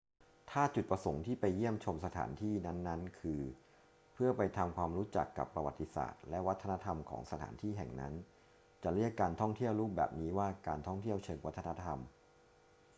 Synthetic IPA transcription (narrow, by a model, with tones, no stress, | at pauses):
t̪ʰaː˥˩t͡ɕu˨˩t̪̚pɾa˧so˩˦ŋt̪ʰiː˥˩pa˧jːi˥˩əmt͡ɕʰo˧msa˧t̪ʰa̰ː˩˦nt̪ʰiː˥˩na˦˥nːa˦˥nkʰɯː˧ | pʰɯ˥˩ɐpa˧jt̪ʰa˧mkʰwaː˧mɾuː˦˥t͡ɕa̰˨˩kːa̰˨˩pːɾa˧wa̰˨˩t̪ːi˧sa̰ː˨˩t̪̚lɛ˦˥wa˦˥t̪ʰːa˧na˦˥t̪ʰa˧mkʰɔ̰ː˩˦ŋsa˧t̪ʰa̰ː˩˦nt̪ʰiː˥˩ɦɛ̰˨˩ŋna̰˦˥n | t͡ɕa˨˩ɾi˥˩əkːaː˧nt̪ʰɔ˥˩ŋt̪ʰi˥˩əwɾuː˥˩p̚bɛ̰ː˨˩p̚niː˦˥waː˥˩kaː˧nt̪ʰɔ˥˩ŋt̪ʰi˥˩əwt͡ɕʰɤː˧ŋwa˦˥t̪ʰːa˧na˦˥t̪ʰa˧m